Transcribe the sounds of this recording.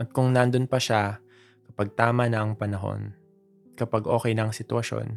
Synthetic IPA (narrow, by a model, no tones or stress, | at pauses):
ʔɐt̪̚kʊŋnɐnd̪onpɐʃa | kɐpaɡ̚t̪aːmɐnɐʔɐŋpɐnɐɦo̞̰n | kɐpaɡʔoːkɛjnɐʔɐŋsɪt̪ʊwɐʃo̰n